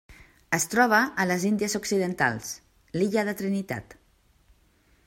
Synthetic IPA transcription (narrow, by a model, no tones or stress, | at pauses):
əst̪ɾɔβ̞əːləzind̪iəzuksiðənt̪a̰lˠs | liʎəðət̪ɾinit̪a̰t̪